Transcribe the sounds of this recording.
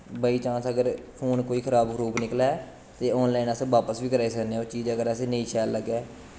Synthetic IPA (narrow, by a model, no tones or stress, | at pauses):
bəiːt͡ʃãːsəɡəɾfʰoːnkoːiːkʰəɾaːbkʰɾuːpnɪklɛː | t̪eːɔːnlaːɪːnəsʋaːpəsbiːkəɾaːiːsəkneːoːt͡ʃiːd͡ʒəɡəɾəsẽːneiːʃɛːlːəɡɛː